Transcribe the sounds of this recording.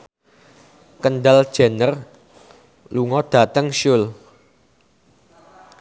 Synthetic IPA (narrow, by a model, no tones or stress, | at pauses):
kənɖald̥ʒ̥ɛ̤nər | luŋɔd̪̥a̤t̪əŋʃʊl